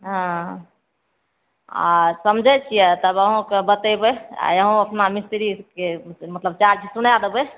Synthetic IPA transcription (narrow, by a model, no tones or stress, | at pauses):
ɦã | a̰səmd͡ʒʱɛt͡ʃʰijɛt̪əbəɦũkebət̪əbɛa̰jəɦũəpnamist̪ɾikemət̪ləb̚t͡ʃaɾd͡ʒʰʱisunad̪ebɛ